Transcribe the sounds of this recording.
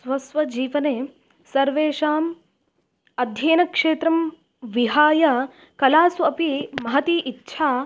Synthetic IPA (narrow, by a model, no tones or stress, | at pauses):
sʋɐsʋɐd͡ʒiːʋɐneː | sɐɾʋeːʂaːm | ɐd̪ʱjeːnɐkʂeːt̪ɾɐm | ʋiɦaːjɐ | kɐlaːsuɐpimɐɦɐt̪iːʔitːʃʰaː